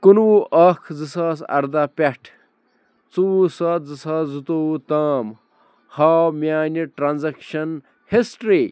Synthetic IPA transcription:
kunwuʔɐkʰd͡zɨsaːsɐ̰ɾd̪aːpʲeʈʰ | t͡suusɐt̪zɨsaːzut̪out̪aːm | haːmʲjaːniʈɾanzɐkʃɐn | hisʈɾi

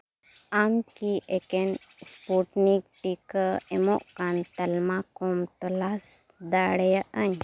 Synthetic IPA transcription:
amkiʔɛkɛn | spuʈnik̚ʈikəɛmɔʔkant̪əlmakɔmt̪ɔlasd̪aɽɛjaʔəɲ

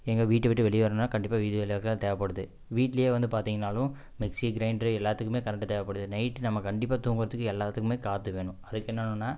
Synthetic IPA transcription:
ɛŋɡɐʋiːʈːɯʋɪʈːɯʋɛɭɪjɐʋɐɾɐnːaːkɐɳɖɪpːaːʋiːðɯʋɐlɐjɐlɣɐɭt̪eːʋɐpɐɽɯðɯ | ʋiːʈːlɐjeːʋɐnd̪ɯpaːɾt̪iːŋɡɐnaːlʊ̃ | mɪksiɡɾɐɪɳɖɾɯɛlːaːt̪ːɯkːɯmeːkɐɾɛk̚ʈːɯt̪eːʋɐpːɐɽɯðɯnɐɪʈːnɐmːɐkɐɳɖɪpːaːt̪uːŋɡɯɾɐðɯkːɯɛlːaːt̪ːɯkːɯmeːkaːt̪ːɯʋeːɳʊ̃ɐðɯkːɛnːɐnɯ̃nːaː

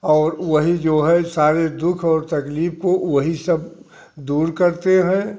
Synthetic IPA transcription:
ɔːɾʋəɦid͡ʒoːɦɛsaːɾed̪ʊkʰɔːɾt̪ɐkliːpʰkoʋɐɦisɐb̚ | d̪uːɾkəɾt̪eɦɛ̃

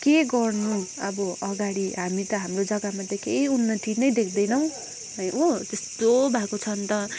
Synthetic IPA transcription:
keɡʌrnuʌbʌʌɡaɽiɦamit̪ʌɦamrod͡zʌɡamat̪ʌkeiunːʌt̪inʌjd̪ek̚ʰd̪ʌjnʌw̃ | ɦʌjot̪est̪obʱakot͡sʰʌnt̪ʌ

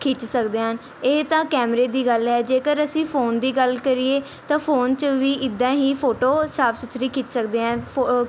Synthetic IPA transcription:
kʰɪt͡ʃsəkd̪eːɦən | eːt̪ãːkɛːmɾeːd̪iːɡəlɦɛːd͡ʒeːkəɾəsĩːpʰoːnd̪iːɡəlkəɾieː | t̪ãːpʰoːnt͡ʃʋiːʔɪd̪ːãːɦiːpʰoːʈoːsaːpʰsʊt̪ʰɾiːkʰɪt͡ʃsəkd̪eːɦɛ̃ː

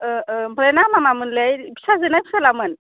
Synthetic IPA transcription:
bʱɔlanamamamɯnlejbisazɯnajbisalamɯn

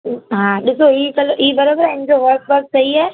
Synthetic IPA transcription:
ɦãːɗɪsoikɐloʔiːbɐɾabəɾɐ̃ɦɪ̃ɲd͡ʑoʋɐɾk̚bɐɾk̚sɐiaː

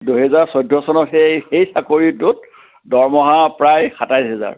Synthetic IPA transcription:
duɦɛzaɹsɔjdʱɔsɔnɔtɛxejsakoɹitut̚ | dɔɹmɔɦapɹajxatajsɦɛza̰ɹ

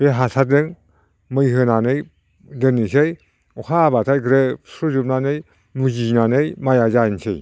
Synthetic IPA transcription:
beɦasʰadɯŋ | mɯjɦɯnanɯj | dɯnisɯj | ɔkʰabatʰajɡɾɯsuzup̚nanɯj | mud͡ʒinanɯjmajazansɯj

